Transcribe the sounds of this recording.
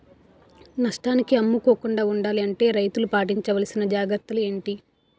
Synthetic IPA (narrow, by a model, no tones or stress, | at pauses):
nɐʂʈaːnikiɐmːukoːkuɳɖaːuɳɖaːliɐɳʈe̞ːɾɐjt̪ulupaːʈ̬iɲt͡ʃɐʋɐlɐsinɐd͡ʒaːɡɾɐɾt̪ːɐlue̞ːɳʈi